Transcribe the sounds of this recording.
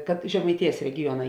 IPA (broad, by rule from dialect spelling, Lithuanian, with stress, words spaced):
kɐt ʒʲɛmɐɪˈtʲeːjɛs rʲɛɡʲɪˈjuɔnɐ